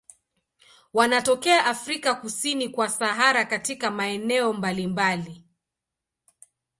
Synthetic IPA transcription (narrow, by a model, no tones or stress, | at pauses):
wanatɔkɛaʔafɾikakusinikwasaɦaɾakatikamaɛnɛɔmbalimbali